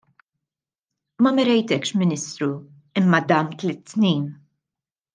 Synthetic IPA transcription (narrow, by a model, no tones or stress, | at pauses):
mɐmɛɾɛjt̪ɛkʃmɪnɪst̪ɾu | ɪmːɐd̪ɐmt̪lɪt̪ːnijn